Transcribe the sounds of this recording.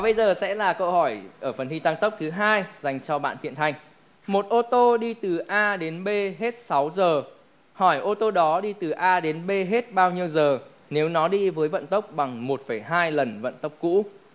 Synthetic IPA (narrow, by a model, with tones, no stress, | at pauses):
a˨˩ɓə˧jzəː˨˩sɛ̰˧˥laː˨˩kə˧whɔ˧˩jʔəː˧˩fə˨˩nhi˧t̪a˧ŋt̪ə˦˥k͡p̚t̪ʰɨ˨˦ɦaː˧jza˨˩jŋ̟t͡ɕɔ˧ɓa̰ː˧˨nt̪ʰḭ˧˨ənt̪ʰa˧jŋ̟ | mo˨˩t̚ʔo˧t̪o˧ɗi˧t̪ɨ˨˩ʔaː˧ɗe˨˦nɓe˧ɦe˦˥t̚sa˨˦wzəː˨˩ | hɔ˧˩jʔo˧t̪o˧ɗɔ˨˦ɗi˧t̪ɨ˨˩ʔaː˧ɗe˨˦nɓe˧ɦe˦˥t̚ɓaː˧wɲi˧əwzəː˨˩ | ne˨˦wnɔ˨˦ɗi˧vəː˨˦jvə̰˧˨nt̪ə˦˥wk͡p̚ɓa˨˩ŋmo˨˩t̚fə˧˩jɦaː˧jlə˨˩nvə̰˧˨nt̪ə˦˥wk͡p̚kṵ˧˥